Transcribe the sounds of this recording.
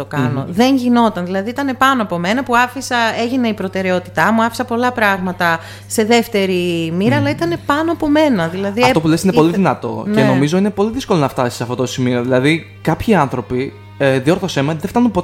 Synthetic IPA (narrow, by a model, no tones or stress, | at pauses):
okɐno̞̰ðe̞ɲʝino̞t̪ɐnðilɐðiit̪ɐne̞pɐnoɐpo̞me̞nɐpuɐfisɐe̞ʝineipɾo̞t̪e̞ɾe̞o̞t̪i̥t̪ɐmuɐfi̥sɐpo̞lɐpɾɐɣmɐt̪ɐ | se̞ðe̞ft̪e̞ɾimiɾɐːlɐit̪ɐne̞pɐno̞ɐpo̞me̞nɐðilɐðiɐt̪opulesinepoliðinɐt̪o̞̰ceno̞mizo̞ine̞po̞liðisko̞lonɐft̪ɐsi̥sɐft̪ot̪osimio̞ðilɐði | kɐpçiɐnθɾo̞pi | eðio̞ɾθosemeðeft̪ɐnumpo